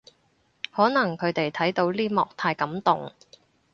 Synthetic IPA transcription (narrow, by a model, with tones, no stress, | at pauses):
hɔː˨˥nɐ˨˩ŋkʰɵ˨˧ɥt̪e˨jt̪ʰɐ˨˥jt̪o˨˥wliː˥mɔ̰ː˨k̚t̪ʰaː˧jkɐ˨˥mt̪ʊ˨ŋ